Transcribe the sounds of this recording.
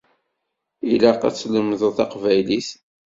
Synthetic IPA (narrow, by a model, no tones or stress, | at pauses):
ilɑqæ̰t͡sːləmðθɑqvæjliθ